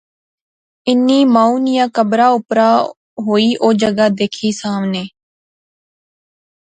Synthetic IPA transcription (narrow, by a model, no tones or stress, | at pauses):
ɪnːiːmãːuːnɪjãːkəbɾaːʊpɾaː | ɦoːiːʔoːd͡ʒəɡaːd̪eːkʰiːsaːmneː